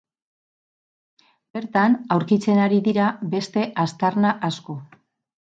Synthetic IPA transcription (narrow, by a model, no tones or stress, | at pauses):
be̞ɾt̪anawɾkit͡se̞naɾiðiɾaβe̞st̪e̞ʔast̪arnaʔasko̞